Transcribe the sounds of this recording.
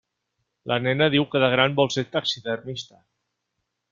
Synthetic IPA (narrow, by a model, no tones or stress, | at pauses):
lʔənɛnəðiwkəðəɣ̞ɾambɔlˠseɾt̪aksiðərnist̪ə